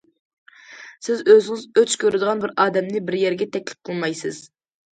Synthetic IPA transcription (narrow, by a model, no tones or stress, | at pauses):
sɪzøzɪŋɪzøt͡ʃkʲʰøɾɪd̪ɨʁɑnbɪɾʔɑːd̪ɛmnɪbɪɾjɛɾɡʲɛt̪ʰɛkʲlɪ̥p̚qʰəlˠmɑjsɨz̥